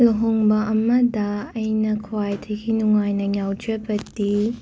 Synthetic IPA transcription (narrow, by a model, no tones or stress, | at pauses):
loɦoŋbɐʔɐmɐdɐːjnɐkʰwajtʰɐjɡinuŋajnɐɲjawd͡ʒɐbɐtːi